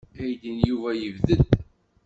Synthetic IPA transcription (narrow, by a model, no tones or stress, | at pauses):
æjd̪ənjuvæjəvðəd̪